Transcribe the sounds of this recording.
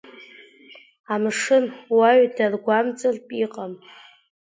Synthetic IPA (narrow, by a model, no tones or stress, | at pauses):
amʂɨnwaɥdarɡʷamt͡sʼɨrpʼiqʼam